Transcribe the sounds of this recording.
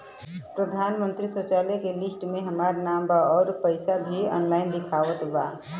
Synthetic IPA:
pɾəd̪ʱanmənt̪ɾisot͡ʃalekelisʈmeɦəmaɾnambaɔːɾpəɪsabʱiɔ̰ːnlaɪnd̪ikʰaʋət̪ba

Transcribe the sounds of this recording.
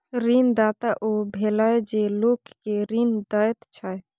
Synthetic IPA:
ɾind̪aːt̪aʔobʱelajd͡ʒelokkeɾind̪ət̪t͡ʃʰəj

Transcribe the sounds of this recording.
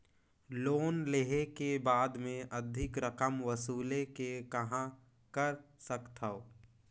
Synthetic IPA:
loːnleɦekebaːd̪mẽʔəd̪ʱɪkɾəkəmʋəsuːlekekɐɦã | kəɾsəkt̪ʰəo

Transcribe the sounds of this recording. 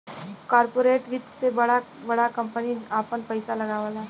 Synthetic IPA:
kaːɾpoːɾeːʈʋɪd̪sebɐɽa | bɐɽakɐ̃mpəniaːpənpɐɪsalɐɡaʋaːlaɦ

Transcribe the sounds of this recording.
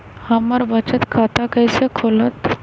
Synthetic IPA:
həməɾbət͡ʃət̪kʰaːt̪akəɪsekʰoːlət̪

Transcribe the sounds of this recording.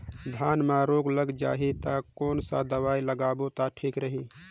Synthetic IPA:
d̪ʱanmaɾoːɡləɡd͡ʒa̰ːɦit̪akoːnsa̰d̪əʋailəɡaːbot̪aʈʰikɾəɦi

